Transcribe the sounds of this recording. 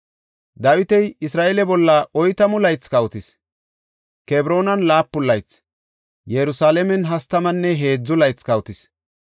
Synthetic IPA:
d̪aːwɪt̪ɛjɪsɾaːʔɛlɛbɔlːɐʔɔjt̪ɐmʊlɐjt͡skɐwt̪ɪs | kɛbɾo̞ːnɐnlaːpːʊlːɐjt͡s | jɛɾʊsaːlɛmɛnɦɐst̪ɐmɐnːɛɦe̞ːd͡zːʊlɐjt͡skɐwʊt̪ɪs

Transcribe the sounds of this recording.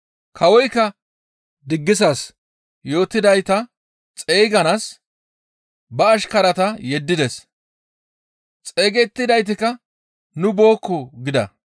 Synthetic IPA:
kʰɐwɔjkːɐ | d̪ɪɡːɪsɐs | jo̞ːt̪ːɪd̪ɐjt̪ɐ | t͡sʼeːɡɐnas | bɐːʃkɐɾɐt̪ɐjɛd̪ːɪd̪ɛs | t͡sʼe̞ːɡɛt̪ːɪd̪ɐjt̪̬ɪkɐ | nʊbo̞ːkːɔɡɪd̪ɐ̰

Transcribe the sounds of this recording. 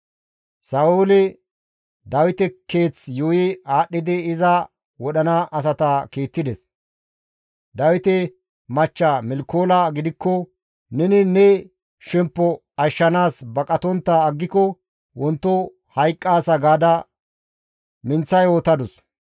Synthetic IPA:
sɐʔulɪ | d̪ɐwɪt̪ɛke̞ːt͡sjʊjɪaːɗːɪd̪ɪɪzɐ | wɔɗɐnaʔɐs̬ɐt̪ɐkeːt̪ːɪd̪ɛs | d̪ɐwɪt̪ɛ | mɐt͡ʃːamɪlkːoːlaɡɪd̪ɪkːɔ | nɛnɪnɛ | ʃɛmpːɔ | ɐʃːɐnaːsbɐkʼɐt̪ɔnt̪ːɐːɡːɪkɔ | wɔnt̪ːɔ | hɐjkʼːaːsɐɡaːd̪ɐ | mɪnt͡sːɐjoːt̪ɐd̪ʊs

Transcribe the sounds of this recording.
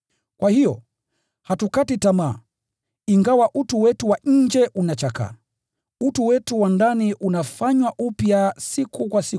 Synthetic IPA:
kwahijɔ | hatukatitamaː | iŋɡawaʔutuwɛtuwaɲ̩d͡ʒɛʔunat͡ʃaka̰ | utuwɛtuwandaniʔunafaɲwaʔupjasikʰukwasi

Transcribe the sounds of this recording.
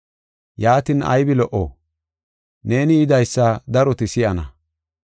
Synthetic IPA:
jaːt̪inɐ̰jbɪlɔʔo̰ | ne̞ːnɪːd̪ɐjsːɐd̪ɐɾɔt̪ɪsɪjɐnɐ̰

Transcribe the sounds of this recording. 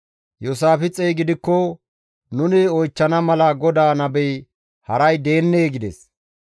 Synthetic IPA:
jɔsaːfɪt͡sʼɛjɡɪd̪ɪkːɔ | nʊnɪɔjt͡ʃːɐnɐmɐlɐɡɔd̪aːnɐbɛj | hɐɾɐjd̪e̞ːnːeːɡɪd̪ɛ̰s

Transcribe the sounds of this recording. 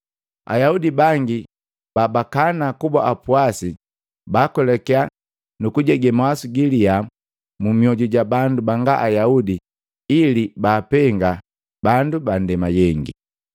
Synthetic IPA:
a̰jaudibaŋɡi | baːbakanakuba̰ʔapuasi | baːkɔlɛkɛa | nukuɟɛɡɛmawasuɡilia | mumiɔɟuɟabandubaŋɡaʔajaudi | ilibaːpɛŋɡa | bandubandɛmajɛŋɡḭ

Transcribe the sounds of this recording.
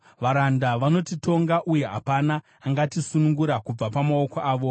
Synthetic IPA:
ʋaɾandaʋano̞tito̞ŋɡaʔuje̞ɦa̰panaː | ŋɡatisunuŋɡuɾakub͡vapamaokoʔaːʋo̞

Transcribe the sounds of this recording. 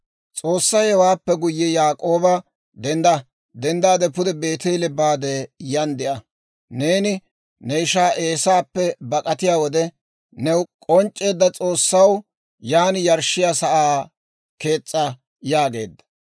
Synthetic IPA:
t͡sʼo̞ːsːɐjɛwaːpːɛɡʊjːɛjaːkʼo̞ːbɐ | d̪ɛnd̪ɐ | d̪ɛnd̪aːd̪ɛpʊd̪ɛbe̞ːt̪elɛbaːd̪ɛjɐnd̪ɪʔɐ | ne̞ːnɪ | nɛɪʃaːʔe̞ːsaːpːɛbɐkʼɐt̪ɪjaːwɔd̪ɛ | nɛwkʼɔnt͡ʃʼːe̞ːd̪ːɐt͡sʼoːsːɐw | jaːnjɐɾʃːɪjaːsɐʔaː | ke̞ːt͡sʼːɐ | jaːɡe̞̰ːd̪ːɐ̥

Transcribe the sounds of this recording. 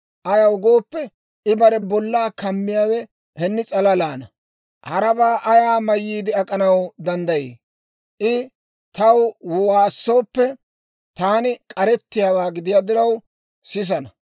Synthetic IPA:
ʔɐjɐwʊɡo̞ːpːɛ | ʔɪbɐɾɛbɔlːaːkɐmːɪjaːwɛ | hɛnːɪt͡sʼɐlɐlaːnɐ | hɐɾɐbaːʔɐjaːmɐjːiːd̪ɪɐkʼɐnɐwd̪ɐnd̪ɐjḛː | ʔɪ | t̪ɐwwwaːsːo̞ːpːɛ | t̪aːnɪkʼɐɾɛt̪ːɪjaːwaːɡɪd̪ɪjaːd̪ɪɾɐw | sɪs̬ɐnɐ

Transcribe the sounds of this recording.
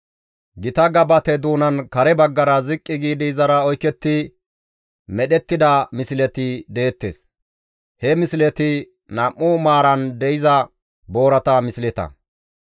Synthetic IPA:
ɡɪt̪ɐɡɐbɐt̪ɛd̪uːnɐnkɐɾɛbɐɡːɐɾɐzɪkʼːɪɡiːd̪ɪjzɐɾɐɔjkːɛt̪ːɪ | mɛɗɛt̪ːɪd̪ɐmɪsɪlɛt̪ɪd̪eːt̪ːḛːs | hɛmɪsɪlɛt̪ɪ | nɐmʔːʊmaːɾɐnd̪ɛɪzɐ | bo̞ːɾɐt̪ɐmɪsɪlɛt̪ɐ̰

